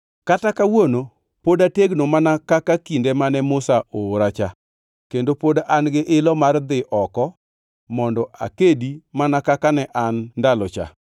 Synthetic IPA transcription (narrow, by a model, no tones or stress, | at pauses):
katakawono | podateɡnomanakakakindemanɛmʊsaoɾat͡ʃa | kendopodaʔanɡɪʔɪlɔmard̪ɪʔɔkɔ | mɔndɔʔa̰kedimanakakanɛʔanːdalɔt͡ʃa̰